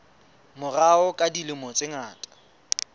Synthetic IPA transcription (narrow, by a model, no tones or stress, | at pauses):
mʊraʊkʼadilɪmɔt͡sʼeŋaːtʼḁ